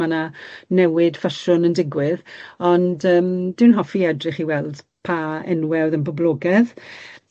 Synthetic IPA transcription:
ananɛwɪd̥faʃʊnəndɪɡwɪðɔndəːmdɪwnɦɔfiɛdrɪχiwɛlˠd̥ | pʰaɛ̰nwɛwðənbɔblˠɔːɡɛð

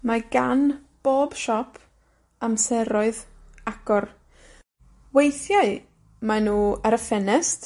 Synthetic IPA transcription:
maɡanb̥oːb̥ʃɔpʰ | amsɛɾɔɨðaɡ̥ɔr | wejθjaɨ | manuːaɾəfɛnɛst

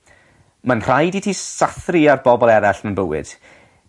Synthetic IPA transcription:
manr̥ajditʰisaθriarbɔbɔlˠɛɾaɬnənbəwɪ̰d̥

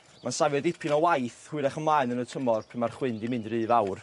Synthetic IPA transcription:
mansavjɔdɪpʰɪnɔwajθhʊɨɾɛχəmlˠajnənətʰəmɔrpʰɪmarχwɪndimɪndɾɨːvawr

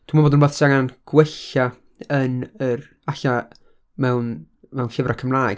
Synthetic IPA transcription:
tʰumaboːdənboːðsaŋanɡ̥wɛɬa | ənər | aɬa | mɛwn | mɛwnɬɪvrakʰəmlˠaːjɡ̥

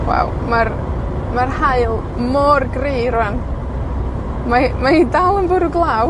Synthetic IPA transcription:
wɛ̰w | mar | marhaɨlˠ | mɔrɡriːɾwan | mamaɪdalˠənbʊɾuɡlˠaːw

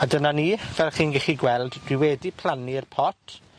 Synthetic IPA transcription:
adənaniːvɛlˠχiːnɡɛχiɡwɛlˠdd̥wɪwɛdipʰl̥ˠaniərpʰɔtʰ

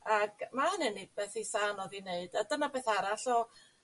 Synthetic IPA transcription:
aɡ̥manɛnib̥ɛːθisanɔðineɨd̥adənabeːθaɾaɬɔ

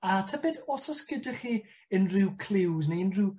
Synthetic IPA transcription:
atʰabɛdɔsɔskədəχi | ənrɪwkʰl̥ˠɪwzneənrɪw

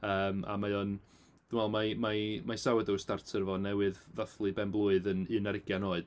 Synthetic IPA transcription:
əːma̰majɔn | d̥umwɛlˠmamamajsawɛdəwstartʰərvɔnɛwɨðvaθlˠɨbɛnblˠʊɨðənɨnəɾɪɡjanoːɨd̥

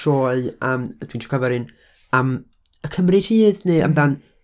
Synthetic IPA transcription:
ɔːɨəmd̥wintʰɔ̥kʰəvɛɾɨn | əːm | əkʰəmrir̥iːðneə̰mdan

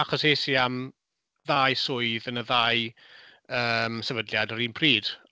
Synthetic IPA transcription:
aχɔseːsiam | ðaːjsʊɨðənəðaɨ | əːmsɛvədljadəɾiːnpʰriːd̥

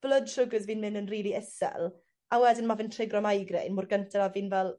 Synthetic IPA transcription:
b̥ləd̥ʃʊɡəzviːnmɪnənriːlˠiɛsɛ̰lˠ | awɛdɪnmavɪntʰr̥ɪɡrɔmajɡrḛjnmʊːrɡəntʰaɾaviːnvɛlˠ

